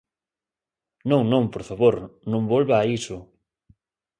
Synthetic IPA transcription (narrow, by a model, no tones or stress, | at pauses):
nõŋnõŋpoɾfaβoɾnõmbolβaːisʊ